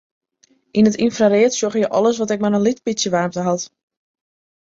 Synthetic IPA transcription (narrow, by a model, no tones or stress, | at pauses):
ʔinətinfraɾeətsjoχəjəʔɔlˠəsʋɔtɛk̚manənlitpisjəʋaːrmtəɦɑt